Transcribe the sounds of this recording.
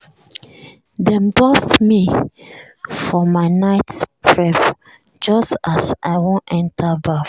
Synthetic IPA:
dɛ̃mbɔstmi | fɔmaɪnaɪtspʰɹɛf | d͡ʒʌstasʔa̰ɪwõnʔɛ̃ntʰəbaf

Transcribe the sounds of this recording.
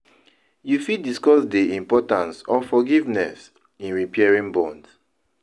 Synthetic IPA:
jufidiskɔsdiĩmpɔtãnsɔfɔɡivnɛs | ĩnɹipʰɛɛɹĩŋbɔ̃nds

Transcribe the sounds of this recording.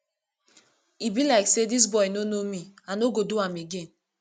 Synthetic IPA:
ibilaɪksedis̬bɔɪnonomianoɡoduameɡen

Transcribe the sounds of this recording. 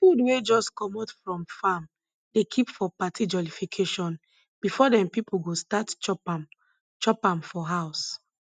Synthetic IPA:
fudwed͡ʒɔskɔmɔtfɹɔ̃mfam | dekʰipfɔpatʰid͡ʒɔlifikʰeʃɔ̃n | b̥ifɔdɛ̃mpipulɡostatp | t͡ʃɔpãmfɔɦaʊs

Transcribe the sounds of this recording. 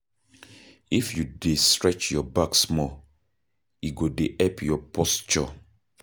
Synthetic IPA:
ifjudestɹɛt͡ʃjɔbaksmɔ | iɡodeʔɛpʰjɔpʰɔst͡ʃɔ̰

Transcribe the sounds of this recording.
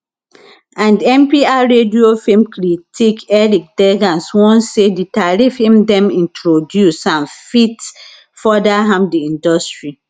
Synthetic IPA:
ãndɛ̃mpiaɹediofẽmkɾitikɛɾik̚dɛɡãnswɔ̃nseditaɾifemdɛ̃mĩntɹodjusãnfit | fɔdaɦãmpdiĩndɔstɹi

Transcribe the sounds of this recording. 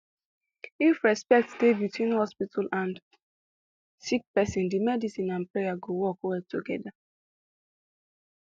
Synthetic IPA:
ifɹɛspɛk̚tsdebitwĩnhɔspitʰalãnd | sik̚pɛsɔ̃ndimɛdisĩnãnpɹejaɡowɔkwɛltʰuɡɛda

